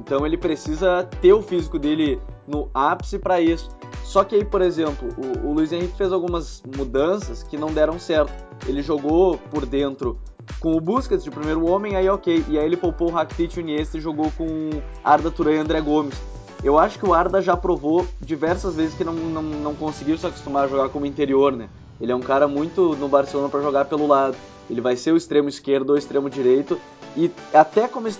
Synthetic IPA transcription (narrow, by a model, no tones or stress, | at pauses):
ẽnt̪ɐ̃w̃elɪpɾesizɐt̪eʊfizikʊd̪elɪnʊapsɪpɾɐisʊ̥ | sɔkɪaipoɾezẽmplʊʔʊːluizẽhikɪ̥fezawɡũmɐzmud̪ɐ̃sɐskɪnɐ̃w̃d̪ɛɾɐ̃w̃sɛɾt̪ʊ̥ | elɪʒoɡopoɾd̪ẽnt̪ɾʊ | kõʊbusket̪d͡ʒɪʊpɾimejɾʊõmẽaiɛokejʔɪaielɪpowpoʊɦakɪ̥t̪it͡ʃuniest̪ɪɪʒoɡokõaɾd̪ɐt̪uɾɐ̃jɐ̃nd̪ɾɛɡõmɪs | ewaʃʊ̥kɪʊaɾd̪ɐʒapɾovod͡ʒivɛɾsɐzvezɪskɪnɐ̃w̃nɐ̃w̃nɐ̃w̃kõsɪɡiwsɪako̥st̪umaɾɐʒoɡaɾkõmʊĩnt̪eɾioɾnɛ | elɪɛũkaɾɐmũj̃t̪ʊnʊbaɾselõnɐpɾɐʒoɡaɾpelʊlad̪ʊ | elɪvajseɾʊist̪ɾẽmʊiskeɾd̪ʊoist̪ɾẽmʊd͡ʒiɾejt̪ʊ | ɪat̪ɛkõmʊɪs